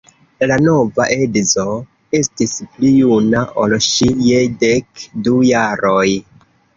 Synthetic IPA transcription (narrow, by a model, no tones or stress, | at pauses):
lano̞vaʔe̞dzo̞ | e̞stisplijunaʔo̞lʃijedekdujaɾo̞j